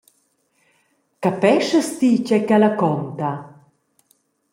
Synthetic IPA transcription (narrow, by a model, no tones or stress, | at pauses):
kapɛʃəst̪icɛkalakɔnt̪a